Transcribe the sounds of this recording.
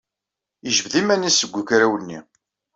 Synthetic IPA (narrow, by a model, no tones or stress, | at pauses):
əʒəbðimænisəɡʷːəkɾæwənːḭ